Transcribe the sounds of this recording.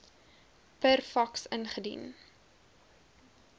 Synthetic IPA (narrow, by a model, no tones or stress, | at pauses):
pərfɐksənχədḭn